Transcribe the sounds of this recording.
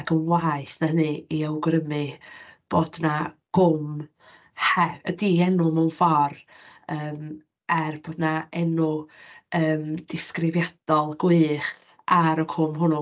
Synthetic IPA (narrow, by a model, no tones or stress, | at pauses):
ɡəmwaɨθnəɦənɨiawɡɾəmɨb̥oːdnaɡ̥ʊm | hɛədiɛnʊmɛwnfɔr | əːm | ɛrb̥oːdnaɛnʊəːmd̥ɪskrɪvjad̥ɔlˠɡwɨːχ | aɾɔkʰʊmɦʊnʊ